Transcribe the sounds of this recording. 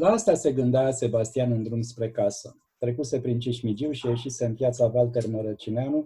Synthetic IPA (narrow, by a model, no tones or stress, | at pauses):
laast̪ase̞ɡɨnd̪ease̞bast̪ianɨnd̪ɾumspɾe̞kasə̰ | t̪ɾe̞kuse̞pɾint͡ʃiʃmid͡ʒiwʃieʃise̞ɨnpjat̪savalt̪e̞rməɾət͡ʃineanu